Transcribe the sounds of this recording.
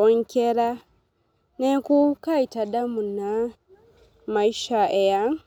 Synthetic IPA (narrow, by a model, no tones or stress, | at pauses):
oɲkeɾa | nekukaitadamuna | maiʃaeja